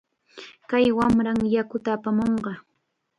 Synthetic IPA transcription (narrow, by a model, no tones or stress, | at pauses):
kajwamɾaŋjakʊt̪aːpamoɴɢɑ